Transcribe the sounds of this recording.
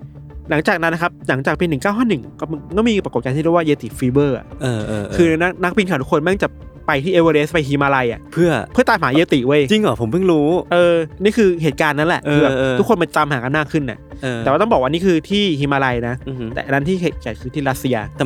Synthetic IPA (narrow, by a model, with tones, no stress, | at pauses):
la˩˦ŋt͡ɕaː˨˩k̚na˦nːa˦˥kʰa˦˥p̚la˩˦ŋt͡ɕaː˨˩k̚piː˧nɯ˨˩ŋkaː˥˩wɦʰɔ˥˩nɯ˨˩ŋkɔː˥˩˧kɔː˥˩miː˧pɾa˧ko˨˩kaː˧ni˥˩˧waː˥˩jeː˧t̪ḭ˨˩fiː˦˥bɤː˥˩ʔa̰˨˩ʔʔɤː˧kʰɯː˧na˦˥k̚na˦˥k̚pi˧nkʰaː˨˩t̪ʰu˥kʰo˧nma˥˩ŋt͡ɕa˨˩ | pa˧jt̪ʰiː˥˩ʔeː˧wəː˧ɾeː˦˥spa˧jɦiː˧maː˧la˧jʔa̰˨˩pʰɯ˥˩ɐpʰɯ˥˩ət̪aː˨˩mɦaː˩˦jeː˧t̪i˨˩wə˧˥˩jt͡ɕi˧ŋlɔ˨˩pʰo˩˦pɯ˥˩ŋɾuː˦˥ʔɤː˧niː˥˩kʰɯː˧ɦeː˨˩t̪̚kaː˧nːa˦˥nlɛ˨˩ʔʰɯː˧bɛː˨˧˩ʔːt̪ʰu˦˥kʰo˧nma˧nt͡ɕa˧mhaː˩˦ka˧nmaː˥˩kʰːɯ˥˩nːʔa̰˨˩ʔʔɤːt̪ɛ˨˩waː˥˩ɔ˥˩bɔː˨˩kwa˧niː˦˥˩kʰɯː˧t̪ʰiː˥˩hiː˧maː˧la˧jna˦˥t̪ɛ̰˨˩ʔa˧na˦˥nt̪ʰiː˥˩e˧˩kaː˨˩kʰɯː˧t̪ʰiː˥˩ɾa˦˥t̪̚si˧a˧